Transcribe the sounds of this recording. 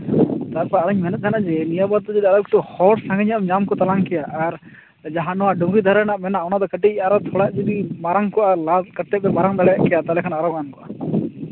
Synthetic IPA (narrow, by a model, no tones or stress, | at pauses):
t̪aɾpaəɾuɲmɛnɛt̪̚t̪ʰɛnad͡ʒɛnijabad̪̚t̪ɔd͡ʒɛd̪ialɔkʈɔhɔɽsãŋɡəɲaʔmɲamkɔt̪alaŋkɛjaʔːɾ | d͡ʒaɦanɔwaɖɔŋɡid̪ʱaɾanaʔmɛnaʔɔnad̪ɔkəʈiaɾɔt̪ʰɔɽaʔd͡ʒɛdimaɾaŋkɔʔalakət̪ːɛbɛmaɾaŋd̪aɽɛjaʔkɛjat̪alɛkʰanaaɾɔɡankɔʔa